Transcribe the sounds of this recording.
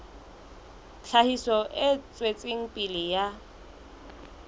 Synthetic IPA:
t͡ɬʰahisɔʔɪt͡sʼwet͡sʼɪŋ̩pʼilɪja

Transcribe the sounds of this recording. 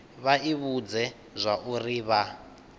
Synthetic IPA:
βaiβud͡zɛ | zʷaʔuriβa

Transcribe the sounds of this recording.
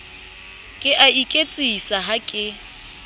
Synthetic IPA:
kʼɪʔaikʼet͡sʼisaɦakʼɪ

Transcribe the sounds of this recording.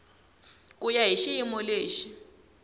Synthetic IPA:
k̬ʼujaɦiʃiimɔleːʃi

